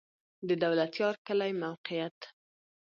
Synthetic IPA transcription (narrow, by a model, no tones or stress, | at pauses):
d̪əd̪awlat̪jɑɾkəlajmawqɪjat̪